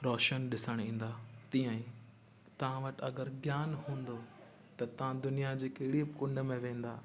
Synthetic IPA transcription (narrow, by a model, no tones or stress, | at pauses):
ɾɔːʃənɗɪsəɽ̃ĩːn̆d̪aːt̪ĩjãĩ | t̪ɐʋ̤ãʋɐʈ̆ɐɡəɾɡjaːnɦũːnd̪o | t̪ɐt̪ɐʋ̤ãd̪ʊnijad͡ʑeːkeɦɪɽibɪkʊ̃ɳɖəmẽʋẽːn̆d̪aː